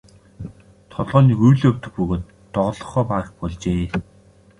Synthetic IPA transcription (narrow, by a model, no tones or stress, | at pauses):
t̪ʰɔɮʁɔːniɣujɮɵw̥ʲt̪ɵ̆xpɵɣoːt̪ːɔʁɞ̆ɮɞ̆χɔːpaːə̆χpɔɮt͡ɕeː